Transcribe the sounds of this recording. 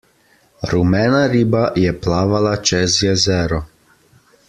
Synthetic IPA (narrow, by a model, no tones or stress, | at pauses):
ɾumɛnaɾiːbajɛplaːʋalat͡ʃɛzjɛzɛːɾɔ